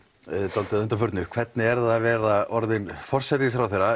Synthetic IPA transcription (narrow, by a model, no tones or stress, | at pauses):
t̪alt̪ɪðʏnt̪afœɾt̪nʏkʰv̥ɛt̪nɪɛɾðavɛːɾaɔɾðɪnfɔr̥sɛt̪isfɾawθɛjɾa